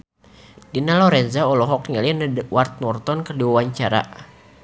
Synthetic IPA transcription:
dinalɔɾɛnzaɔlɔɦɔk̚ŋɛlindwart̪̚nɔrt̪ɔnkərdiwawaɲt͡ʃaɾa̰

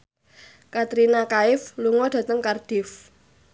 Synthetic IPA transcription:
kat̪ɾinakaɪfluŋɔɖ̥ä̤t̪əŋkard̥ɪf

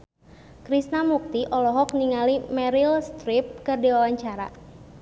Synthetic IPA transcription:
kɾisnamuk̚t̪iʔɔlɔɦɔkniŋalimɛɾilst̪ɾip̚kɨrdiwawaɲt͡ʃaɾa̰

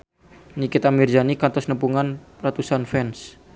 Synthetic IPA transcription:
nikɪt̪amird͡ʒanikant̪ɔsnəpuŋan | rat̪usanfɛns

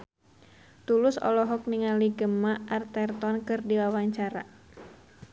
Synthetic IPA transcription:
t̪ulʊsɔ̰lɔɦɔk̚niŋaliɡəmaʔart̪ɛrt̪ɔnkɨrdiwawaɲt͡ʃaɾa̰

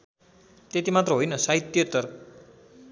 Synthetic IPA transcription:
t̪et̪imat̪rʌɦojnʌsait̪jʌt̪ʌrk

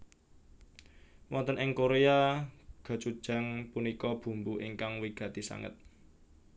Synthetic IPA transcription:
wɔnt̪ənɪŋkoɾeaɡ̥a̤t͡ʃud̥ʒ̥a̤ŋpunikɔb̥ṳmbuʔiŋkaŋwiɡ̥ä̤t̪isa̰ŋə̰t̪̚

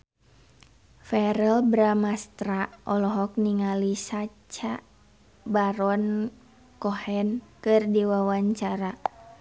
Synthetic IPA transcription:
fɛɾɛlbɾamast̪ɾaɔlɔɦɔk̚niŋalisat͡ʃa | baɾɔn | kɔhɛnkɨrdiwawaɲt͡ʃaɾa

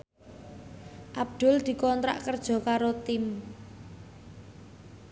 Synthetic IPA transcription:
ʔab̚d̪̥ʊ̤ld̪̥i̤kɔnt̪ɾa̰ʔkərd̥ʒ̥ɔ̤kaɾot̪ɪm

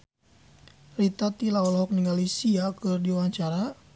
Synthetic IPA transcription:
rit̪at̪ilaɔlɦɔk̚niŋɡalisiakɨrdiwaɲt͡ʃaɾa

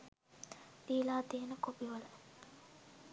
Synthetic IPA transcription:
liːlaːt̪ijənəkopiʋələ

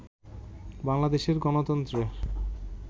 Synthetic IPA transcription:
baŋlad̪eʃeɾɡɔnot̪ɔnt̪ɾe

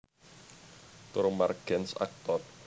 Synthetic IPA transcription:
t̪ʊɾomarɡ̥ɛnsa̰k̚t̪ɔt

